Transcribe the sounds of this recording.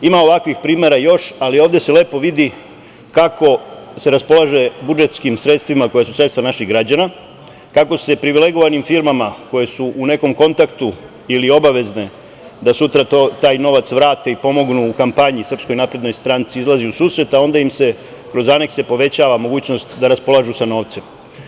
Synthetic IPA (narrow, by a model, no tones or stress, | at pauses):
imao̞ʋakʋixpɾiːme̞ɾajo̞ʃalioːʋd̪e̞se̞le̞ːpo̞ʋid̪i | kakʰo̞ | se̞ɾaspo̞lˠaʒe̞bud͡ʒe̞t̪skimsɾe̞t̪st̪ʋimako̞jesusɾet̪t̪ʋanaʃiɣɡɾad͡ʑana | kako̞se̞pɾiʋile̞ɡoʋanimfiɾmamako̞je̞suʔune̞ko̞mko̞nt̪akt̪u | ilio̞baʋe̞zne̞ | d̪asut̪ɾaot̪aːjno̞ʋat̪sʋɾaːt̪e̞ipo̞mo̞ɡnuːkampaɲisr̩psko̞jnapɾed̪no̞jst̪ɾant̪siizlˠaziusuːsɾe̞t̪ao̞nd̪aimse̞ | kɾo̞zane̞kse̞po̞ʋe̞t͡ɕaːʋamo̞ɡuːt͡ɕno̞st̪d̪aɾaspo̞lˠaʒusano̞ːʋt̪se̞m